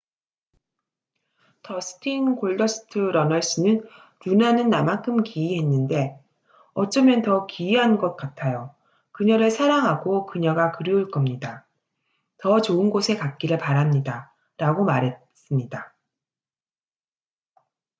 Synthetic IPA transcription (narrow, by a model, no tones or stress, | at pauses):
tʌsʰɯ̥tʰinkoɭdʌsʰɯ̥tʰɯɾʌnʌɭɕ͈ɯnɯn | nunanɯnːamankʰɯmkiiɦe̞nːɯnde̞ | ʌt͡ɕ͈ʌmjʌntʌkiiɦanɡʌt̚k͈atʰajo | kɯɲʌɾɯɭsʰaɾaŋɦaɡokɯɲʌɡakɯɾjiuɭk͈ʌmɲida | tʌt͡ɕoɯnɡosʰe̞kak̚k͈iɾɯɭpaɾamɲida | ɾaɡomaɾɦe̞ | s͈ɯmɲida